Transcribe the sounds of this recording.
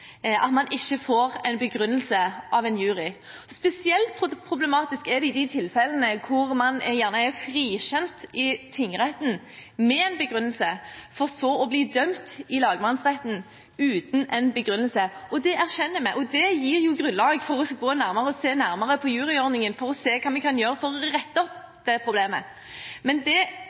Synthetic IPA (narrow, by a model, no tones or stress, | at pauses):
ʔɑt̪mɑnʔɪçːəfoːɾɛɪnbəɡɾʉnːəlsəʔɑʋɛnjʉːʁɪ | spɛsɪɛlt̪̚pʰpʰɾʊblɛmɑːt̪ɪskɛd̪ɛɪd̪ɪt̪ʰɪlfɛlənəkʰʊɾmɑnɛjæːʁnəɛfɾiːʃɛnt̪ɪt̪ʰɪŋəʁɛt̪n̩ | mɛɛnbəɡɾʉnəlsəfɔʁsɔɔbliːd̪œmt̪ɪlɑːɡəmɑnsʁɛt̪n̩ | ʉːt̪nɛnbəɡɾʉnːəlsəɔd̪ɛæɾɕɛnːəmæɪʔɔd̪ɛjiːɾjʊɡɾʉnlɑːɡfɔɾɔsɡoːnæɾməʁəɔseːnæɾməʁəpʰɔjʉːʁɪɔɾnɪŋənfɔɾɔseːkʰɑːmɛkʰɑnjøːɾəfɔɾɔʁɛt̪ːəɔp | d̪̥ɛpʰɾʊbleːmə̰ | mɛnd̪ɛ